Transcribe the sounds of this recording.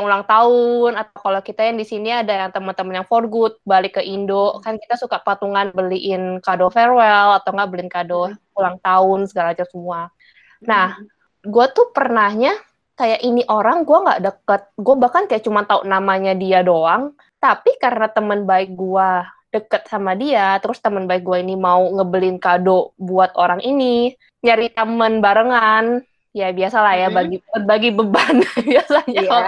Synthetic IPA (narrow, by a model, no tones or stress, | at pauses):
aŋulaŋt̪aʊnat̪awkalakit̪ajaŋdisiniadajaŋt̪əmənt̪əmənjaŋfɔrɡut̪̚balɪkːəʔindoʔkankit̪asukaʔpat̪uŋanbəliʔɪnkadofɛrwɛlat̪awŋɡaʔbəlinkado | ulaŋt̪aʊnsəɡalad͡ʒasəmua | nah | ɡuat̪upərnahɲa | kajaʔiniʔoɾaŋɡuaŋɡa̰ʔdəkət̪̚ɡuabahkankajaʔt͡ʃumant̪aṵʔnamaɲadiadoaŋ | t̪apikaɾənat̪əmənbaɪk̚ɡuad̥əkət̪̚samadiat̪əɾʊst̪əmənbaɪk̚ɡuainimauŋəbəlɪnkadobuat̪oɾaŋʔini | ɲaɾit̪əmənbaɾəŋan | jabiasalahjabaɡibat̪̚baɡibəbanbiasaɲa